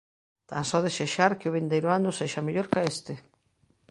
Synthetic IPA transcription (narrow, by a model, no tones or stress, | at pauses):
t̪ansɔðeseʃaɾkɪʊβ̞ind̪ejɾʊanʊseʃameʎoɾkaest̪e